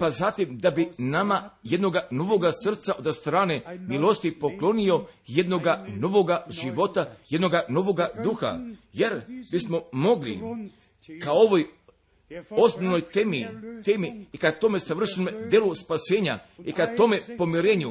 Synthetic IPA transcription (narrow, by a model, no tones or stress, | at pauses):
pazat̪imd̪abinamajed̪no̞ɡano̞ʋo̞ɡasr̩t̪saod̪st̪ɾaːne̞milˠo̞st̪ipo̞klˠo̞nio̞je̞d̪no̞ɡano̞ʋo̞ɡaʒiʋo̞t̪ajed̪no̞ɡano̞ʋo̞ɡad̪uxa̰je̞ɾbismo̞mo̞ɡlḭ | kao̞ʋo̞j | o̞snoʋnojemit̪eːmiːkat̪o̞me̞saʋr̩ʃnomed̪jeːluspase̞ːɲa | ikat̪o̞me̞po̞miɾe̞ːɲu